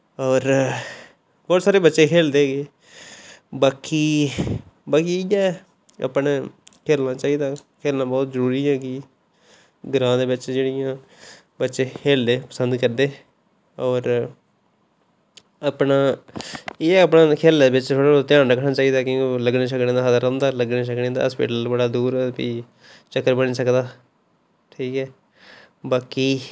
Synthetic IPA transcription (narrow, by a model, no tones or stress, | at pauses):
ɔːɾ | bɔːʈsaːɾeːbətːʃeːkʰeːld̪eːɡeː | baːkiː | baːkiːɪjɛː | ə̰pneːkʰeːlnaːt͡ʃaːiːd̪aːkʰeːlnãːbɔːt̪zəɾuːɾiːɦɛːɡɪ | ɡɾãːd̪eːʋɪt͡ʃd͡ʒeːɽijãː | bətːʃeːkʰeːld̪eːpəsənd̪kəɾd̪eː | ɔːɾ | aːpnãː | eːaːpnãːkʰeːlaːd̪eːʋɪt͡ʃt̪ʰoːɽaːot̪ɪjãːnɾəkʰːnaːt͡ʃaːiːd̪aːkjõːkeləɡnẽːʃ̬əknẽːd̪aːɦzəɾənd̪aːləɡneːʃ̬əknẽːd̪a̰ːspḭʈəlbəɽaːd̪uːɾɛpḭː | t͡ʃəkːəɾbəniːsəkd̪aː | ʈʰiːkɛː | baːkiː